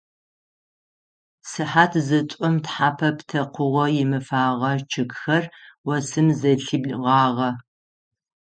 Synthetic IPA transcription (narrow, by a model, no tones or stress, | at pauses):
sɨħaːtʰzɨt͡ʃʷʼɔmtħaːpʰɐptʰɐqʷʊʁʷɔjɪmɨfaːʁɐt͡ʃʰɨkxɐrwɐsɨmzɐɬɨbʁɑːʁɐ